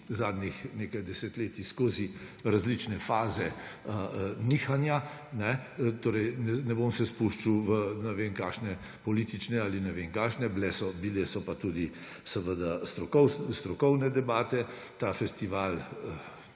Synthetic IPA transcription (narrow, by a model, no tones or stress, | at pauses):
zaːd̪nixneːkajd̪ɛset̪leːt̪iskoːzi | ɾazlit͡ʃnɛfaːzɛəniːxanja | nɛt̪oːɾɛjnɛnɛbomsɛspuʃt͡ʃiwʋənɛʋeŋkaʃnɛ | pɔliːt̪it͡ʃnɛaːlinɛʋeŋkaːʃnɛblɛsɔbilɛsɔpat̪ud̪i | səʋəd̪ast̪ɾɔkɔwst̪ɾɔkɔwnɛd̪ɛbaːt̪ɛ | t̪afɛst̪iʋaːlə